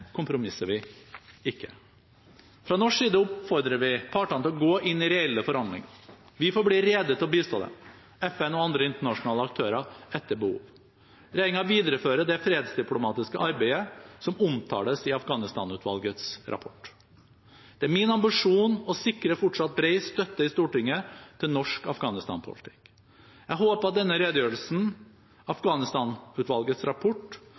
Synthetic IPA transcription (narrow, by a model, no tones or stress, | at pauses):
kʰʊmpɾʊmɪsːəʋɪɪkːə | fɾɑnɔʂiːd̪əʊpfɔɾd̪ɾəʋɪpʰɑːʈɑnt̪ɪlɔɡoːʔɪnːɪɾɛɛlːəfɔɾɑnd̪lɪ̰ŋ | ʋɪfoːɾbliːɾeːd̪ət̪ɪlɔbiːst̪o̰ːd̪ɛ̰ | ɛfɛnɔɑnd̪ɾəɪnt̪əɳɑʂʊnɑːləɑk̚t̪ʰøːɾɑɛt̪ːəbəhṵːʋ | ɾæɪŋɑʋiːd̪əɾəføːɾəd̪ɛfɾeːd̪sd̪ɪplʊmɑːt̪ɪskəʔɑɾbæɪəsɔmʊmt̪ʰɑ̰ːləsɪɑfɡɑːnɪst̪ɑːnʉːt̪ʰʋɑ̰lɡət̪sɾɑ̰pʰɔʈː | d̪̥ɛæɾmɪnɑmbɪʂuːnɔsɪkːɾəfɔʈʂɑt̪̚bɾeɪst̪œt̪ːəɪst̪uːʈɪŋːət̪ʰɪlnɔʂkɑfɡɑːnɪst̪ɑ̰npʰʊ̰lɪt̪ʰɪ̥k | jæɪɦoːpəɾɑt̪̚d̪ɛnːəɾeːd̪əjøːɾəlsn̩ | ɑfɡɑːnɪst̪ɑːnʉːt̪ʋɑlɡət̪sɾɑpʰɔʈː